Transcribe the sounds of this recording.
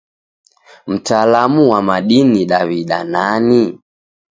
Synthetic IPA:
m̩talamuwamaɗiniɗaβiɗa̰nani

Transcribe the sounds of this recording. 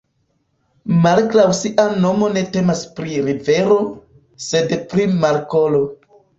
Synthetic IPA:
malkɾawsiʔano̞mo̞ne̞te̞maspɾiɾive̞ɾo̞ | se̞dpɾimaɾko̞lo̞

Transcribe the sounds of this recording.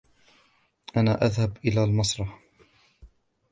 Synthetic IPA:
ʔanaːʔaðhabʔɪlaːlmɑsˤɾˤɑħ

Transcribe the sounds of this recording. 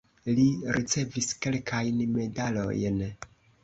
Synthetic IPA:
liɾit͡se̞viske̞lkʰajnme̞dalo̞̰jn

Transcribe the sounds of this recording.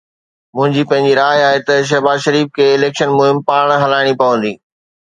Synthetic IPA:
mʊ̃ɦɪ̃ɲd͡ʑiːpɐ̃ɦɪ̃ɲd͡ʑiɾaːaːɦet̪ɐʃ̬ɐɦbaːzʃɐɾiːfkʰeːɪleːkʃənmʊɦɪmpaːɽ̃ɦɐlaːɪɽ̃ipɐʋə̃nd̪iː

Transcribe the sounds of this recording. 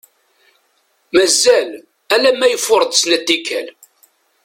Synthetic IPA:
mæzæl | ælæmːæjəfːʊɾˤd̪ˤsnæd̪ːikːæ̰l

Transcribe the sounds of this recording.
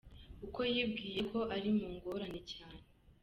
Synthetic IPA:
uko̞jiːbɡiːje̞kʰo̞ʔaɾimuːŋɡo̞ɾanecaːne

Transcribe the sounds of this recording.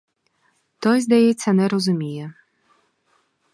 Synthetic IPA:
t̪ɔzd̪ajɛt͡sʲːɐnɛɾɔzumʲijɛ

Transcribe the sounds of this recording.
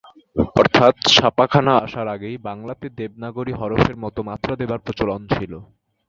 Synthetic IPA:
ɔɾt̪ʰat̪ʃapakʰanaaʃaɾaɡejbaŋlat̪ed̪ebnaɡoɾiɦɔɾofeɾmɔt̪omat̪ːɾad̪ebaɾpot͡ɕolɔnt͡ɕʰilo

